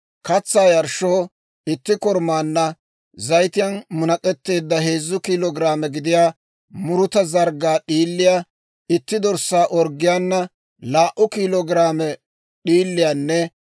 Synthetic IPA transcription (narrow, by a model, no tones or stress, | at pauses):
kɐt͡sːaːjɐɾʃoː | ɪt̪ːɪkɔɾmaːnːɐ | zɐjt̪ɪjɐnmʊnɐkʼɛt̪ːe̞ːd̪ːɐɦe̞ːzːʊkiːlɔɡɾaːmɛɡɪd̪ɪjaː | mʊɾʊt̪ɐzɐɾɡaːɗiːlːɪjaː | ɪt̪ːɪd̪ɔɾsːaːʔɔɾɡɪjanːɐ | laːʔʊkiːlɔɡɪɾaːmɛ | ɗiːlːɪjaːnːɛ